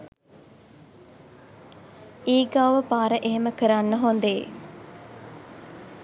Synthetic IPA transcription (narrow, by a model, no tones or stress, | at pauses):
iːɡawʋəpaːɾəʔeɦeməkəɾanːəɦond̪e